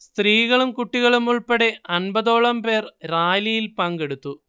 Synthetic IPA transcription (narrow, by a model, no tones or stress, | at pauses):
st̪riːɣɐɭumkuʈːiɣɐɭumuɭpɐɽeɐnbɐðo̞ːɭɐmpe̞ːrɾaːjlɐjilpɐŋɡe̞ɽut̪ːu